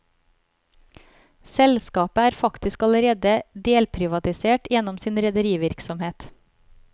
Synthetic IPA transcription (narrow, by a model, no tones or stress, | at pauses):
sɛlskɑːpəæːɾfɑkt̪ɪskɑləɾeːd̪əd̪eːlpʰɾɪʋɑt̪ɪseːʈjɛnɔmsiːnɾɛd̪əɾiːʋɪɾksɔmheːt̪